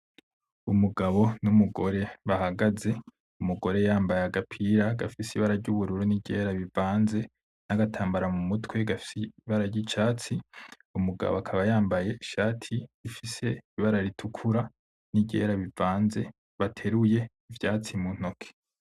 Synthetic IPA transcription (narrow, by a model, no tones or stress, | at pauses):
umuɡaβo̞numuɡo̞ɾe̞βahaɡaze̞ | umuɡo̞ɾe̞jaːmbajaɡapʰiɾaɡafisiβaɾaɾɟuβuɾuɾuniɟe̞ɾaβivaːnze̞ | naɡatʰaːmbaɾamumutwe̞ɡafi̥seβaɾaɾɟit͡ʃaːt͡si | umuɡa̰βoakʰaβajaːmbaje̞iʃaːtʰiːfise̞iβaɾaɾitʰukʰuɾa | niɟe̞̰ːɾaβivaːnze̞ | βatʰe̞ɾuje̞ | ivjaːt͡simun̥ho̞kʰe̥